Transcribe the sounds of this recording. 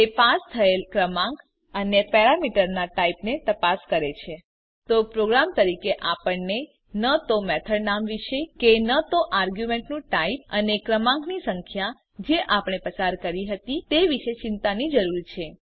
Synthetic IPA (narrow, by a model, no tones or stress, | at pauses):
epast̪ʰəelkɾəmãŋɡ | ənjəpɛɾamiʈəɾnaʈaipnet̪əpaskəɾet͡ʃʰe | t̪opɾoɡɾamt̪əɾikeʔapəɳne | nət̪omɛt̪ʰəɽnamʋiʃekenət̪oʔaɾɡjumeɳʈnũʈaip̚ənekɾəmãŋɡnisəŋkʰja | d͡ʒeʔapɳ̃epəsaɾkəɾiɦət̪it̪eʋiʃet͡ʃɪnt̪anid͡ʒəɾuɾt͡ʃʰe